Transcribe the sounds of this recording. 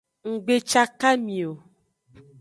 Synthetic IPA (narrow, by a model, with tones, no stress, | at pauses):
ŋ̩˨ɡ͡be˨t͡ʃa˦ka˦mĩ˨o˨